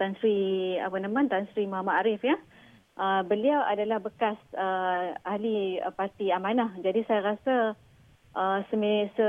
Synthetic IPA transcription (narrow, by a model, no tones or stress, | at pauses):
t̪ansɾia̰pənamãnt̪ansɾimaɦamaaɾɪfja | ʔəbəliawadalahbəkasəaliə̰part̪iamanahd͡ʒadisajaɾasa | ʔəsəmesə